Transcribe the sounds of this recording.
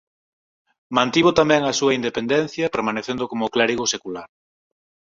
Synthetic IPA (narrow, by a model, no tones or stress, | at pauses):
mãnt̪iβot̪amɛ̃ŋɐsuɐind̪epend̪ɛn̟θjɐpeɾmaneθend̪ʊkomʊklaɾiɣosekulaɾ